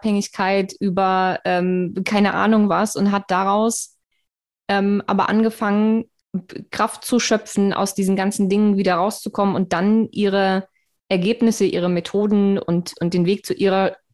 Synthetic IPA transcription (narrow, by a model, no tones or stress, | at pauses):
phɛŋɪçkʰaɪtʔyːbɐʔɛːmkʰaɪnəʔa̰ːnʊŋvasʊntɦat̚d̥aʁaʊs | ʔɛːmʔa̰ːbɐ̰ʔa̰nɡəfaŋən | kʁ̥aft̚t͡suʃœpfn̩ʔa̰ʊsd̥iːzn̩ɡant͡sn̩dɪŋənviːdɐʁaʊst͡sukʰɔmənʊnt̚d̥anʔiːʁ̞ə | ʔɛɐɡeːpnɪsəʔiːʁ̞əmetʰoːdn̩ʊ̰ntʊn̚d̥eːnveːk̚t͡suʔiːʁ̞ɐ